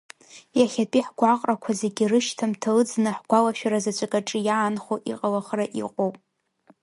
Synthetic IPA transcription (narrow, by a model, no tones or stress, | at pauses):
jaχʲatʼiħɡʷaqʼrakʷʰazeɡʲirɨʃtʰamtʰalɨd͡znɨħɡ̥ʷalaʃᶣaɾazat͡ʃʷʰʼakʼaʈ͡ʂʼɨjaːnχoʔḭqʼalaχraʔḭqʷʼowpʼ